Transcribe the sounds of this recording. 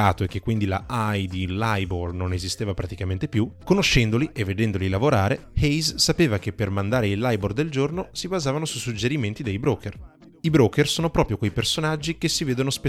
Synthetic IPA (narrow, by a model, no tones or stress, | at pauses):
aːt̪oekːekːwind̪ila̰ʔajd̪ilajbornonezist̪eːvapɾat̪ikament̪epjukonoʃːɛnd̪oliʔevːed̪ɛnd̪olilavoɾaːɾehejzːapeːvak̟epːermand̪aːɾeilːajbord̪eld͡ʒornosibazaːvanosusud͡ʒeɾiment̪id̪ejbɾoːkʰer | ibɾoːkersoːnopɾɔːpɾjokwejpersonad͡ʒːikesːiveːd̪onospe